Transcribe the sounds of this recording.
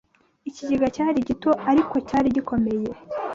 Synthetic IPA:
iciɟiɡacaːɾiɟito̞ʔaɾiko̞caːɾiɟiko̞me̞je̞

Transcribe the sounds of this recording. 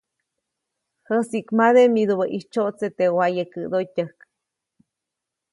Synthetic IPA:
həsiʔkmaðemid̪uβəʔiht͡ʃoʔt͡set̪ewajəkəd̪otəhk

